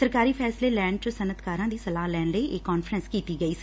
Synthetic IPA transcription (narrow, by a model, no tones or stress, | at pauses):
əɾkaːɾiːpʰɛːsleːlɛːɳɖt͡ʃəsənət̪kaːɾãːd̪iːsəlaːɦlɛːɳləiʔekːɔːnfʰɾənskiːt̪iːɡəiː